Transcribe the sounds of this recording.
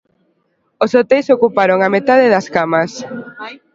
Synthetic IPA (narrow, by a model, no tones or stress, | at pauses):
osot̪ɛjsokupaɾoŋamet̪aðɪðɐskamɐs